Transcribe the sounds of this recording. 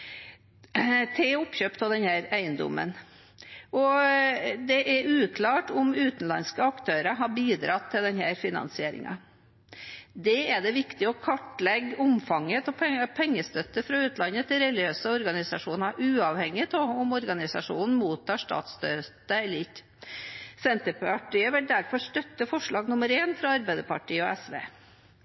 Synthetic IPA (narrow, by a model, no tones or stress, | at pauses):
t̪ʰɪʊpɕøːpt̪ʰld̪ɛnhæːɾæɪənd̪ʊ̰mːə̰n | ʔɔ | d̪ɛʔɛʉːkʰlɑːʈʊmʉːt̪n̩lɑ̰nskəɑkt̪ʰøːɾəɦɑbiːd̪ɾɑt̪ʰːɪld̪ɛnhæːɾfɪnɑ̰nsɪeːɾɪ̰ŋɑ̰ | d̪ɛɛd̪ɛʋɪkt̪ɪɔkʰɑʈlɛɡʊmfɑŋːət̪ɔpʰpʰɛŋːəst̪œt̪ːəfɾɑʉːt̪nɑnːət̪ʰɪlɾɛlɪøːsəɔɾɡɑnɪsɑʂuːnəʔʉːɑʋhɛŋːɪt̪ʰoʊmɔɾɡɑnɪsɑ̰ʂṵːnn̩muːt̪ʰːɑːʂtɑ̰ːt̪st̪øt̪əɛlt | sɛnt̪əpɑʈiːəʋɪld̪æɾfɔʂt̪œt̪ːəfɔʂɭɑːɡnʊməɾeːnfɾɑɑɾbæɪd̪əpʰɑʈiːəɔ̰ɛsʋḛː